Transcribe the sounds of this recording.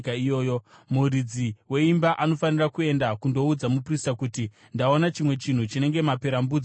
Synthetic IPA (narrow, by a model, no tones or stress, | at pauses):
kaijo̞ːjomuɾid͡ziwe̞imbaʔano̞fanirakue̞ndakundo̞ud͡zamupristakuti | ndao̞nat͡ʃimwe̞t͡ʃin̤ut͡ʃine̞ŋɡe̞mape̞ɾambud͡z